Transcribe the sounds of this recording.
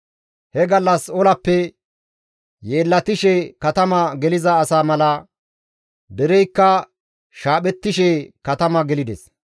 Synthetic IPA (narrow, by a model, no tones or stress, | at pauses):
hɛɡɐlːɐsɔlɐpːɛ | jeːlːɐt̪ɪʃɛkɐt̪ɐmɐɡɛlɪzɐːsaːmɐlɐ | d̪ɛɾɛjkːɐ | ʃaːɓɛt̪ːɪʃɛkɐt̪ɐmɐɡɛlɪd̪ɛs